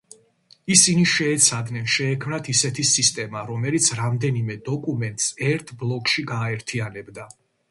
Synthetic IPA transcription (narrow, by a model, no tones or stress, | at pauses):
isiniʃɛːt̪sʰad̪nɛnʃɛːkʰmnat̪ʰisɛt̪ʰisist̪ʼɛmaɾɔmɛlit̪sʰɾamd̪ɛnimɛd̪ɔkʼumɛnt̪ʼsɛɾt̪ʰblˠɔkʼʃiɡaːɛɾt̪ʰianɛbd̪a